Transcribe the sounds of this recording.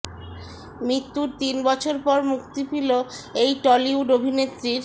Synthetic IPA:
mɾit̪ːuɾt̪inbɔt͡ɕʰoɾpɔɾmukt̪ifiloejʈɔliuɖobʱinet̪ːɾiɾ

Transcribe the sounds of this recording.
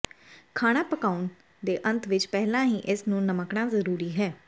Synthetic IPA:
kʰaːɽ̃aːpəkaːʊn | d̪eːʔə̃nt̪ʰʋɪt͡ʃpɛɦlãːɦiːʔɪsnũːnəməkɳãːzəɾuːɾiːɦɛː

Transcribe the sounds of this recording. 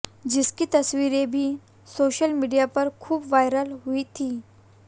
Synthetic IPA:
d͡ʑiskiːt̪əsʋiɾebʱiː | soɕəlmiɽijapəɾkʰuːpʋajɾəlɦuit̪ʰiː

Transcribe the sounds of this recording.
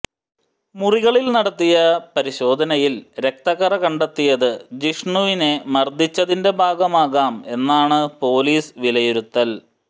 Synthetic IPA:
muriɣɐɭilnɐɽɐt̪ːijɐpɐɾiɕo̞ːd̪ʱɐnɐjilɾe̞k̚t̪ɐɣɐrɐkɐɳɖɐt̪ːijɐðɨd͡ʑiʂɳuʋine̞mɐrd̪ʱit͡ɕːɐðinde̞bʱaːɡɐmaːɣaːme̞nːaːɳɨpo̞ːliːsʋilɐjuɾut̪ːɐl

